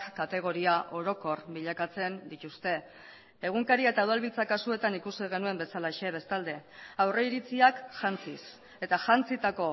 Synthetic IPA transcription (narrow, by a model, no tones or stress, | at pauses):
kat̪e̞ɣ̞o̞ɾiaʔo̞ɾo̞ko̞rbiʎakat͡se̞nd̪it̪ust̪e̞ː | ɣ̞uŋkaɾiaet̪awðalβilt͡sakasue̞t̪anikusiɣ̞e̞nue̞mbe̞salaʃe̞β̞e̞st̪ald̪e̞awre̞iɾit͡siakʝant͡sis | e̞t̪aʝant͡sit̪ako̞